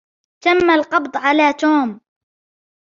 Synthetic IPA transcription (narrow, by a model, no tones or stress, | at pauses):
t̪amːalqɑbd̪ˤʕalaːt̪oːm